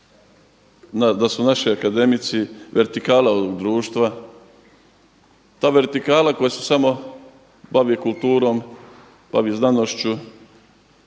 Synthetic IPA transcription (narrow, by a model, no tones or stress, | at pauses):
nad̪asunaʃiakad̪e̞mit̪siʋeɾt̪ikaːlaooɡd̪ɾuːʃt̪ʋa | t̪aːʋe̞ɾt̪ikaːlako̞jese̥samo̞ | baʋikult̪uːɾo̞m | b̥a̰ʋiznanoʃt͡ʃu